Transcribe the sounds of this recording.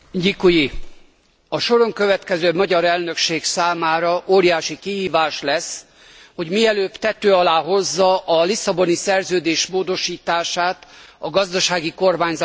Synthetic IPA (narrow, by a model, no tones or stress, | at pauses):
ɟikuji | ɒʃo̞ɾo̞ŋkø̞vɛt̪kɛzøːmɒɟɒɾɛlnø̞kʃeːksaːmaːɾɒʔoːɾijaːʃikiɦiːvaːʃlɛs | ho̞ɟmiɛløːpt̪ɛt̪øːɒlaːɦo̞zːɒʔɒlisɒbo̞nisɛrzøːd̪eːʃmoːd̪o̞ʃiːt̪aːʃaːt̪ɒɡɒzd̪ɒʃaːɡiko̞rmaːɲzɒ